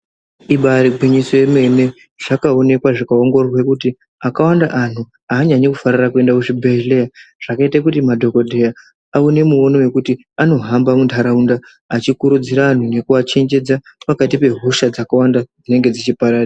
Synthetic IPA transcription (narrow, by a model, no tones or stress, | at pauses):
iɓaɾiɡʱwiɲiso̞jeme̞ne̞ | ʐ̥akao̞ne̞kwaʐikao̞ŋɡo̞rwe̞kuti | akawandaʔan̤u | aːɲaɲakufaɾirakue̞ndakuʐibʱele̞jaʐ̥akaitak̬utimadʱo̞ko̞dʱe̞ja | aune̞muo̞no̞we̞kuti | ano̞ɦambamundʱaɾaundaː | t͡ʃikuɾud͡ziɾaːn̤une̞kuat͡ʃe̞ɲd͡ʒe̞d͡zapakatipe̞ɦuʃad͡zakawandad͡zine̞ŋɡe̞d͡zit͡ʃipaɾaːta